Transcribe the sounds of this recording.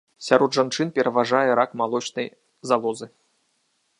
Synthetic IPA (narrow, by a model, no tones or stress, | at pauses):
sʲaɾɔd̪ʐant͡ʂɨnpʲɛɾɐvaʐajɛɾakmalˠɔt͡ʃnɐj | zalˠɔzɨ